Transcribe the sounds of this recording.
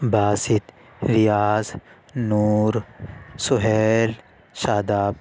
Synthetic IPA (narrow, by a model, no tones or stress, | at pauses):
baːsit̪ | ɾijaːz | nuːɾsuɦeːl | ʃaːd̪aːb̚